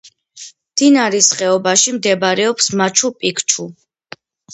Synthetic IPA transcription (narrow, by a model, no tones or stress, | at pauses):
md̪̥inaɾisχɛɔbaʃimd̪ɛbaɾɛɔpsmat͡ʃʰupʼikʰt͡ʃʰu